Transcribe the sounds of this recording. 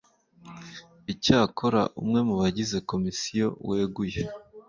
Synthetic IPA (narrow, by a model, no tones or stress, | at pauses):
icaːkʰo̞ɾa̰ʔṵmŋe̞muβaɟize̞ko̞misijo̞̰we̞ːɡuje